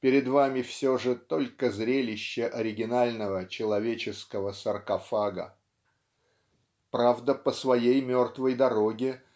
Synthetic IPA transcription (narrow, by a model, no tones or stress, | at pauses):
pʲɪɾʲɪd̪vamʲɪfsʲoʐɨt̪o̞lʲkəzɾʲelʲɪɕːəʔɐɾʲɪɡʲɪnalʲnəvət͡ɕɪlˠɐvʲet͡ɕɪskəvəsərkɐfaɡə̰ | pɾavd̪əpəsvɐjejmʲo̞rt̪vəjd̪ɐɾo̞ɡʲɪ